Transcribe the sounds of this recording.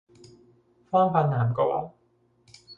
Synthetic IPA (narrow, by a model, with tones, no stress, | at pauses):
fɔː˥ŋfaː˨˧nnaː˨˩mkɔ˧wɔ̰ː˧˥˩